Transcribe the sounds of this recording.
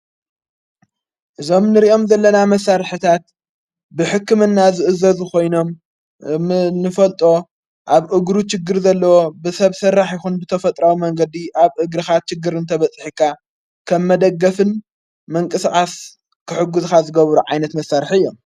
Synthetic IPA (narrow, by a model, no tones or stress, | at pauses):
ʔɨzo̞mnɨɾiʔo̞mzɐlːɐnamɐsːaɾħɨt̪ʰat̪̚ | bɨħɨkːɨmɨnːazɨʔɨzɐzkʰo̞jno̞m | nɨfɐlt̪ʼo̞ | ʔaβʔɨɡɾut͡ʃɪɡːɨɾzɐlːɐwobɨsɐβsɐrːaħjɪxunbɨt̪ʰɐfɐt̪ʼɾawimɐŋɡɐd̪iʔaβʔɨɡɾɨxat̪̚t͡ʃɪɡɨɾɨnt̪ʰɐβɐt͡sʼħikʰːa | kʰɐmːɐd̪ɐɡːɐfɨn | mɐŋkʼɨskʼas | kʰɨħɨɡːuzkazɨɡɐβɾuʕajnɐt̪mɐsːaɾħiɨjːo̞m